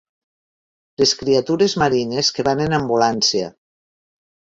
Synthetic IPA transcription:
leskɾiat̪uɾezmaɾineskeβanenambulansia̰

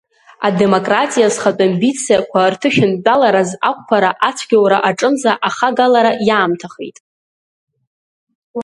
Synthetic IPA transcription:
ade̞mo̞kʼratʼijazχatʼambit͡sʰjakʷʰartʰɨʃᶣɪndʼalaɾazakʷʰʼpʰaɾaʔat͡sʷʰɡʲawɾaʔaʈ͡ʂʼɨmzaʔaχaɡalaɾajaːmtʰaχḛjtʼ

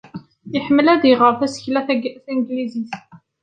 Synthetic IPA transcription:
jəħmːəlæðiʁəɾˤθæsə̥çlæθæɡθiŋɡliziθ

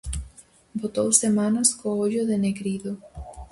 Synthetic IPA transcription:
bot̪owsemanaskooʎoðeneɣɾiðo

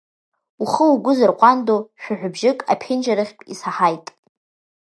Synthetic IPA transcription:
uχəuɡʷʊzɨrqʷʼandoʃᶣaħʷᶣʊbʒɪkʼa̰pʰɪnd͡ʒaɾɨχʲtʼisaħajtʼ

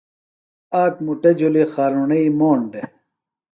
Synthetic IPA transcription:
aːk̚muʈed͡ʑulixaːɾunɐimoːɳɖe

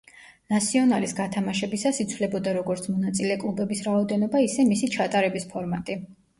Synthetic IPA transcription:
nasiɔnalisɡat̪ʰamaʃɛbisasit̪sʰvlɛbɔd̪aɾɔɡɔɾt̪sʰmɔnat̪sʼilɛkʼlˠubɛbisɾaɔd̪ɛnɔbaisɛmisit͡ʃʰat̪ʼaɾɛbispʰɔɾmat̪ʼi

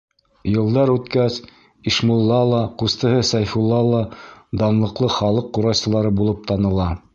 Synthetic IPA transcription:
jɤ̆lˠd̪ɑɾʉt̪kæs | iʃmulˠːɑlˠɑqust̪ɤ̆ɦɤsæjfulˠːɑlˠɑd̪ɑnlˠɤ̆qlˠɤχɑlˠɤqːuɾɑwsɤ̆lˠɑɾɤbulˠɤp̚t̪ɑnɤ̆lˠɑ

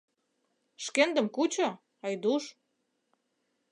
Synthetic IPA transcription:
ʃkend̪ə̆mkut͡ɕo | ɑjd̪uʃ

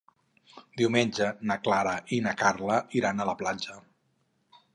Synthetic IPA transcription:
d̪iwmenʲd͡ʒənəklaɾaʔinakaɾləiɾanələplad͡ʒə

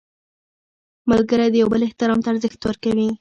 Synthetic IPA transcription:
malɡəɾajd̪əjawbəlɪht̪ɪɾɑmt̪aːɾzəxt̪wəɾkawi

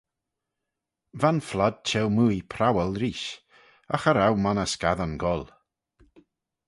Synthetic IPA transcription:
vanflad̥̚t͡ʃʰɛwmujpʰɾawəlˠɾiːʃ | a̰xaɾawmanəskaðanɡɔlˠ

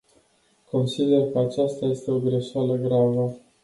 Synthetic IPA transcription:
kʰo̞nsid̪e̞rkəat͡ʃast̪aje̞st̪e̞o̞ɡɾe̞ʃaləɡɾavə

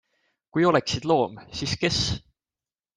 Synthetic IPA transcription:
kujo̞lɛksid̪lo̞ːmsiːske̞s

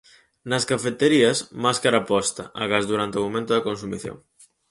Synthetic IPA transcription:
nɐskafet̪eɾiɐsmaskaɾapɔst̪ɐʔaɣazðuɾant̪eomomẽnt̪ʊðɐkonsumiθjo̰ŋ

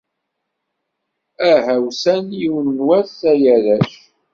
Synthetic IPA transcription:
æɦæwsænjiwənnwæθæjæðæʃ

